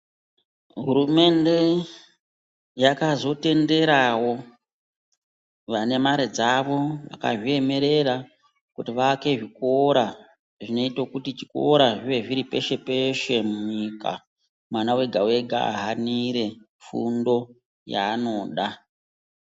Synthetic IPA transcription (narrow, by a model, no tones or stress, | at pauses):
ɦuɾume̞nde̞ | jakazo̞te̞nde̞ɾawo̞ | ʋane̞maɾed͡zaʋo̞ʋa̰ka̰ʐie̞me̞ɾe̞ɾa | kutiʋaːke̞ʐikoɾa | ʐino̞itokutit͡ʃi̥ko̰ɾaʐiʋe̞ʐiɾipe̞ʃe̞peʃe̞muɲika̰ | mwanawe̞ɡʱawe̞ɡʱa̰ɦaniɾe̞ | fṵndo̞ | ja̰ːno̞ːɗa